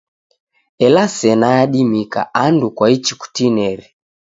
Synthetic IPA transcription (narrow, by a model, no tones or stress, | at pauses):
ɛlasɛnaaɗimika̰andukwait͡ʃiku̥tinɛɾɛ